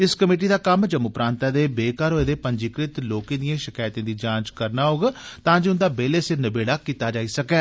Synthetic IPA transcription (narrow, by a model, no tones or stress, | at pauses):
ɪskəmeːʈ̬iːd̪aːkəmd͡ʒəmʊpɾãːnt̪aːd̪eːbeːkaːɾɦoːeːd̪eːpəɲd͡ʒiːkɾɪt̪loːkẽːd̪ɪjãːʃɪkaːjt̪ẽːd̪iːd͡ʒãːt͡ʃkəɾnaːɦoːɡːt̪ãːd͡ʒeːʊnd̪aːbeːleːsɪnəbeːɽaːkiːt̪aːd͡ʒaːiːsəkɛː